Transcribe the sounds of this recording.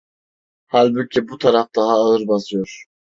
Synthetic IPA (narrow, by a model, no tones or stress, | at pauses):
halʲbucʰibut̪ʰaɾafd̪aɦaːɯɾbasɯjo̞ɾ̥